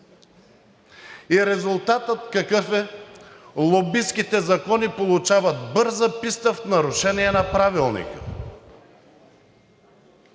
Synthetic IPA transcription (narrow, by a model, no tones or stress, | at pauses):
iɾɛzʊlˠt̪at̪ət̪kɐkɤfɛ | lˠobiskit̪ɛzɐkɔnipolˠut͡ʃavɐt̪̚bɤɾzəpist̪əfnɐɾʊʃɛniɛnɐpɾavilˠnḭkə̰